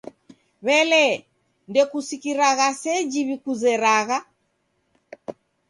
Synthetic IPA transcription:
βɛlɛ | ndɛkusikiɾaɣasɛd͡ʒiβikuzɛɾaɣa

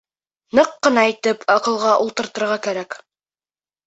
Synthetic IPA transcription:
nɤqːɤ̆nɑæjt̪ɘpʰɑqɤ̆lˠʁɑʔulˠt̪ɤ̆ɾt̪ɤ̆ɾʁɑkæɾæk

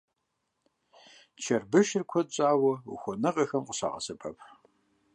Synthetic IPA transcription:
t͡ʃʰɐrbɨʃɪrkʷʰɔɕʼaːwɐṵxʷɔnɨqɐxɐmqʷʼəɕa̰ːʁɐ̰sɨpʰɐpʰ

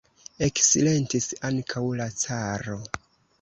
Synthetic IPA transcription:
e̞ksile̞ntisaŋkʰawlat͡saɾo̞

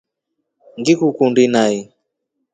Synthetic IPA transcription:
ŋɡikukundinai

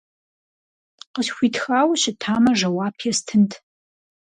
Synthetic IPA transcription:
qəɕxʷiːtxaːwɕɪtʰaːmɐʐɐwaːpʰjɛstʰɨntʰ

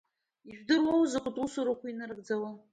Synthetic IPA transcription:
iʒᶣdɨmowzakʷʊtʼusuɾakʷainarɡʼd͡zawa

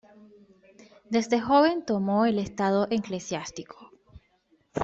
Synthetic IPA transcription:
d̪e̞zd̪exo̞βe̞nt̪o̞mo̞ele̞st̪aðo̞ʔeŋklesjast̪ikʰo̥

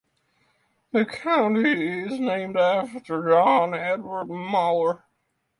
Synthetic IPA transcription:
ðɨkʰãʊ̃ntiɪznẽɪ̃mdæftə˞d͡ʒɑ̃nɛdwə˞d̚mɑlˠə˞

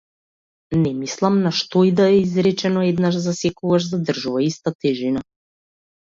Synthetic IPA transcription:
nɛmislˠamnaʃt̪ɔid̪aɛizɾɛt͡ʃɛnɔɛd̪naʒzasɛkɔɡaʒzad̪r̩ʒuvaist̪at̪ɛʒina

